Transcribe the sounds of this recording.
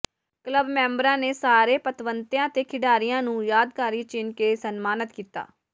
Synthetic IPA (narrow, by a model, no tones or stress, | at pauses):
kləbmɛ̃ːmbɾãːneːsaːɾeːpət̪ʋənt̪jãːt̪eːkʰɪɖaːɾɪjãːnũːjaːd̪kaːɾiːt͡ʃɪnkeːsənmaːnət̪kiːt̪a̰ː